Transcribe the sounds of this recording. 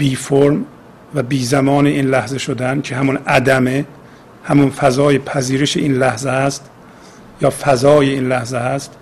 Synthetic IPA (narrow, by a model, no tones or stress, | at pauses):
biːfoɾm | væbiːzæmɒːneʔiːnlæhzeʃod̪æncʰe̞hæmunæd̪æme | hæmunfæzɒːjepʰæziːɾeʃeʔiːnlæhzeæst̪ | jɒːfæzɒːjeiːnlæhzeæst̪